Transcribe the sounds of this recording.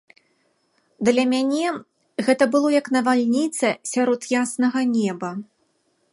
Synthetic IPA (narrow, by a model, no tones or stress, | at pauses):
d̪lʲɐmʲanʲɛ | ɣɛt̪ɐbɨlˠɔjɐknɐvalʲnʲit̪sɐsʲaɾɔt̪jasnɐɣɐnʲɛbɐ